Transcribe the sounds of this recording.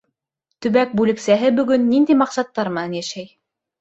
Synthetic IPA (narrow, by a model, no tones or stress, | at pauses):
t̪ɵ̆βæk̚bʉlɘ̆ksæɦɘbɵ̆ɡɵnːind̪ijmɑqsɑt̪ːɑɾmɤ̆nɑnjæʃæj